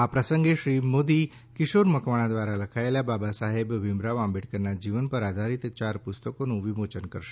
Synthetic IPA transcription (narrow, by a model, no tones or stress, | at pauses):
apɾəsəŋɡeʃɾimod̪i | kɪʃoɾməkʋaɽ̃ãd̪ʋaɾaləkʰaelababasaɦebʋɪmɾaʋãmbeʈkənad͡ʒiʋənpəɾad̪ʱaɾit̪t͡ʃaɾpʊst̪əkonũʋimot͡ʃənkəɾʃe̥